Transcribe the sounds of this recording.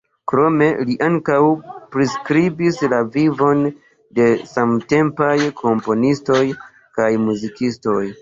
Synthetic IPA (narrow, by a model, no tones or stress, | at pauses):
kɾo̞me̞liʔaŋkawpɾiskɾibislavivo̞n | de̞samte̞mpajkʰo̞mpo̞nisto̞j | kajmuzikisto̞j